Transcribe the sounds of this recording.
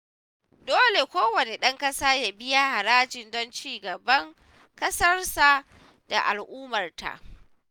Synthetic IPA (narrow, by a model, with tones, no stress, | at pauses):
doː˦le˨kʷoː˦wɐ˨ne˨ɗɐ˦ŋkɐ˦saː˦jaː˨bɪ˦ja˦ha˨ɾaː˦d͡ʒɪ˨ndɔ˦nt͡ʃiː˦˨ɡɐ˨bɐ˦ŋ | kɐ˦sɐ˦rsa˨ | da˨ʔa˨lʔuː˦mɐ˨rta̰˨ʔ